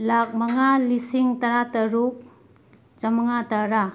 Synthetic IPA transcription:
lak̚maŋalisiŋtɐɾatɐɾuk̚ | t͡ʃamɐŋataɾa

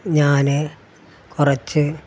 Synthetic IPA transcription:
ɲaːnɨ | kurɐt͡ɕːɨ

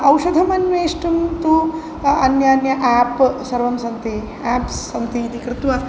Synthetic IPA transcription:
ɐwʃɐd̪ʱɐmɐnʋeːʂʈumt̪u | ɐnjaːnjɐʔaːpsɐɾʋɐmsɐnt̪i | aːpsɐnt̪iːd̪ikɾɪt̪ʋɐ

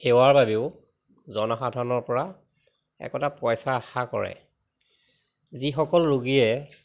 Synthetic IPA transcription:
xewaɹbabiʊ | zɔnɔxadʱanɔɹpɔɹa | ɛ̰kɔtapɔjsaːxakɔ̰ɹɛ̰ | zixɔkɔlɹuɡijɛ

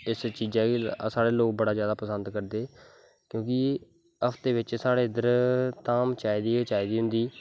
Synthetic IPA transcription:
ɪst͡ʃiːzɛːsaːɽeːloːk̚bəɽaːzjaːd̪aːpəsənd̪kəɾd̪eː | kjõːkɪ | əpʰt̪eːʋɪt͡ʃsaːɽeːd̪əɾt̪aːmt͡ʃaːid̪iːt͡ʃaːid̪iːɦʊ̃nd̪iː

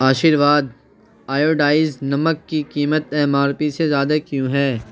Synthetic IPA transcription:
aːʃiːɾʋaːd̪ | aːjoːɖaːɪznɐməkːikiːmət̪ɛːmaːɾpisezjaːd̪akjũːɦɛː

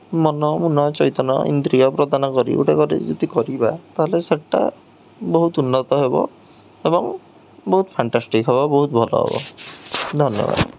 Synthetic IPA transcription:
mɔnɔmunɔt͡ʃɔjt̪ɔnɔḭnd̪ɾiɔpɾɔd̪ʱanɔkɔɾḭṵʈekɔɾḭd͡ʒet̪ikɔɾibat̪aɦɔleseʈːa̰ | boɦut̪unːɔt̪ɔɦebɔ̰ | ebɔŋ | bɔɦut̪pʰaɳʈasʈikɦebɔbɔɦut̪ɔbʱɔlɔ̰ɦḛbɔ̰ | d̪ʱɔnjɔ̰ba̰d̪

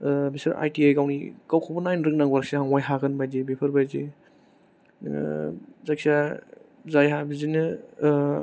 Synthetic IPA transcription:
bisɐɾa̰jtiajɡawnḭkawkʰɔbunajnɾɯŋnaŋwaɾk̚seɦaŋwajɦaɡɯnbajdibipʰɐɾbajzi | zak̚sia | zajɦabizinɯ

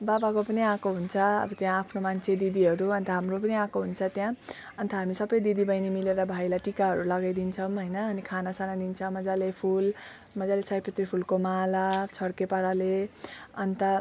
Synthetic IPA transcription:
babakopʌniãkoɦunt͡sʰʌʌ̰bʌt̪jãːpʰnomant͡sʰed̪id̪iɦʌɾuʌnt̪ʌɦamrop̬ʌniãkoɦunt͡sʰʌt̪jã | ʌnt̪ʌɦamisʌbʌjd̪id̪ibʌjnimileɾʌbʱajlaʈikaɦʌɾulʌɡajd̪int͡sʰʌmɦʌjnʌːnikʰanasanad̪int͡sʰʌmʌd͡zalepʰul | mʌd͡zalet͡sʌjpʌt̪ripʰulkomalat͡sʰʌɽkepʌɾaleʌnt̪ʌ

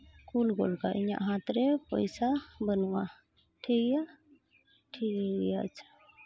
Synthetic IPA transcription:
kulɡɔ̰lkaʔiɲa̰ʔɦat̪ɾɛpə̰jsabənwa | ʈʰiɡɛja | ʈʰiɡɛɡɛjat͡ʃʰ

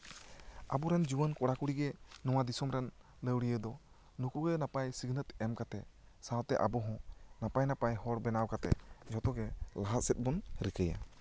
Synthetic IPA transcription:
abɔɾɛnd͡ʒubənkɔɽakuɽiɡɛnɔ̃wad̪isɔmɾɛn | ləwɽijəd̪ɔ | nukuɡənapajsiɡnət̪ɛmkat̪ɛsawt̪ɛʔa̰bɔɦɔ̃napajnapajɦɔɾbɛnawkat̪ɛ̰d͡ʒɔt̪ɔɡɛlaɦat̪̚sɛt̪̚ˀbɔnɾikəja̰

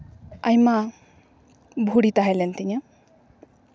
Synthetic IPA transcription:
ɐjma | bʱuɽit̪aɦalent̪ina

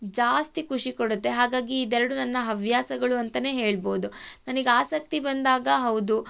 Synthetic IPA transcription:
d͡ʒaːst̪ikʰuʂikoɽut̪ːe̞ɦaːɡaːɡiːd̪ɛɾɐɽunɐnːɐɦɐʋjaːsɐɡɐɭuɐnt̪ɐne̞ːɦe̞ːɭbo̞ːd̪unɐnɐɡeaːsɐk̚t̪ibɐnd̪aːɡɐɦɐwd̪u

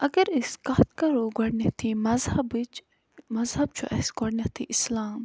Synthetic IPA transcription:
ɐɡɐɾiskaːt̪kɐɾuɡɐɽnet̪ʰimɐzhɐbit͡ʃ | mɐzɦɐb̚t͡ʃʰuʔɛ̰sɡɔɽnʲɐt̪ʰḭʔislaːm

